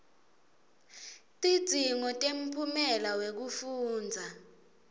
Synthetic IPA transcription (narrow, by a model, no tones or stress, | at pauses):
tʼi̥d͡z̥ʱiŋɔtʼem̩pʰumɛlawek̬ufuːnd͡zʱa